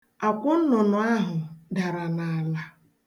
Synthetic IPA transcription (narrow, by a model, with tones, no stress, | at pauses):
a˨kʷʊ˦n̩˦nʊ˨nʊ˨a˦ɦʊ˨da˨ɾa˨na˨a˨la˦